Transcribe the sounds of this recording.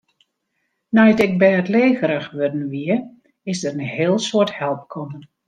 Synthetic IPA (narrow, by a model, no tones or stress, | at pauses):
najətɪk̚bɛjətleːɣəɾəxʋødn̩ʋiə | ɪzdərənheːlˠsoəthɛlˠp̚kʰɔmən